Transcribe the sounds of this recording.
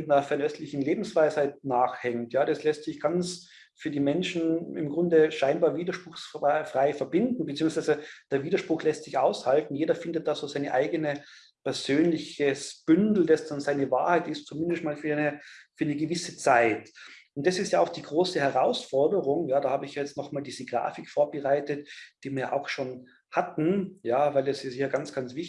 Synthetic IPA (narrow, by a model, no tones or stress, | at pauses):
ɪtnɐfɛɐnɛstlɪçn̩leːbm̩sv̥aɪshaɪt̚naːxhɛŋtjaːdaslɛstsɪçɡ̥ant͡s | fyːɐdiːmɛnʃn̩ɪmɡʁʊndəʃaɪnbaːɐviːdɐʃpʁ̥ʊxsfʁ̥aɪfɛɐbɪndn̩bətt͡siːʊŋsv̥aɪzəd̥eːɐviːdɐʃpʁ̥ʊxlɛstsɪçʔaʊshaltn̩jeːdɐfɪndət̚d̥aːz̥oːz̥aɪnəʔaɪɡənə | pɛɐzøːnlɪçəsb̥ʏndl̩dasd̥anzaɪnəva̰ːɐhaɪtɪstt͡sumɪndəstmaːlfyːɐnəfyːɐnəɡəvɪsət͡saɪt | ʊntd̥asɪstjaːaʊxd̥iːɡʁoːsəhɛʁaʊsfɔɐdəʁʊŋjaːdaːhaːbəɪçjaːjɛt͡stnɔχmaːldiːzəɡʁa̰ːfɪkfoːɐbəʁaɪtətd̥iːviːɐjaːʔa̰ʊxʃoːn | hatn̩jaːvaɪlɛszɪçaɡant͡sɡ̥ant͡sv̥ɪç